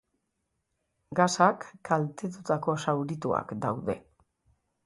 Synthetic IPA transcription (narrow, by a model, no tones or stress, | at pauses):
ɡasakːalt̪e̞t̪ut̪ako̞sawɾit̪ua̰kd̪awðe̞̰